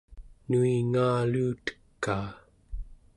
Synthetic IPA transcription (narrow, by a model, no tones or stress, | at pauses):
nuiŋaːluːt̪ə̥kːaː